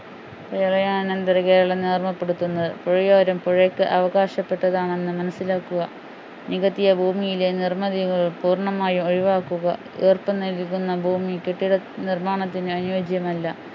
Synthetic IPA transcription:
pɐɐɭɐjaːɳnend̪ɐɾɐke̞ːɾɐɭɐneːrmɐpːe̞ɽut̪ːunːɐðɨpoɻijoːɾɐmpoɻekːɨʔɐʋɐɣaːɕɐpːe̞ʈːɐðaːɳe̞nːɨmɐnɐsːilaːkːuɣɐ | niɣɐt̪ːijɐbʱuːmijilenirmɐðiɣɐɭpuːrɳɐmaːjumoɻiʋaːkːuɣɐ̰ | eːrpɐnɐlikːunːɐbʱuːmikeʈːiɽɐ | nirmaːɳɐt̪ːinɨɐnjoːd͡ʑjɐmɐlːɐ

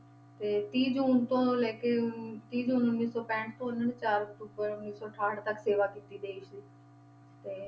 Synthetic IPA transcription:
t̪eːt̪iːd͡ʒuːnt̪õːlɛːket̪iːd͡ʒʊnʊnːiːsɔːpɛ̃ːɳʈt̪õːʊnənt͡ʃaːɾt̪upəɾʊnːiːsɔːʈʰaːɽt̪əkseːʋaːkiːt̪iːd̪eːɪʃiː | t̪eː

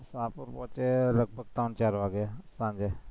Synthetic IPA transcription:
sãːpʊɾpɔ̃ːt͡ʃeːləɡ̚bʱəɡt̪ãːnt͡ʃaːɾʋaːɡjaːsãːɲd͡ʒeː

